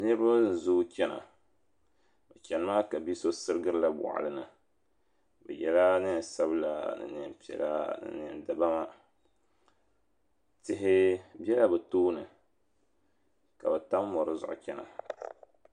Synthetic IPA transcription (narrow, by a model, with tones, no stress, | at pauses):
nɨ˦ɾa˦n̩˨zu˦t͡ʃʲɛ˦na̰˨ | bɛ˨t͡ʃʲɛ˨nɨ˦ma˦ka˨bi˦so˦sɨ˦ɾɨ˦ɡɨ˦ɾɨ˦la˦ba̰˨ʔa̰˨lɨ˦nɨ˨ | bɛ̰˨jɛ˨la˦nɨ˦n˨sa˦bla̰˦nɨ̰˨nɨ˨m˦pi˨ɛ̰˨la̰˦nɨ̰˨nɨ˨nda˨ba˦ma˦ | tɪ˦ɦɪ˦bɛ˦la˦bɛ˨toː˦nɨ˨ | ka˨bɛ˨ta˦mː˦ɔ˨ɾɨ˦zʊ̰˨ʔʊ̰˦t͡ʃɛ˦na̰˨